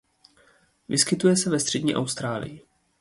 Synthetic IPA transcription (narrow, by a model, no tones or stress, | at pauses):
vɪskɪt̪ujɛsɛvɛst̪r̝̥ɛdɲiːʔa̰wst̪ɾaːlɪ̰jɪ